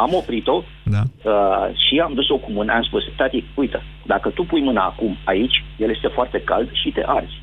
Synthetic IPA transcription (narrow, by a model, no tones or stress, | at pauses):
amo̞pɾit̪o̞ | əʃiamd̪uso̞kumɨnəamspust̪at̪ik̚ujt̪ə | d̪akət̪upujmɨnaːkumait͡ʃʲje̞lje̞st̪efoart̪e̞ka̰ld̪ʃit̪e̞̰ʔard̪zʲ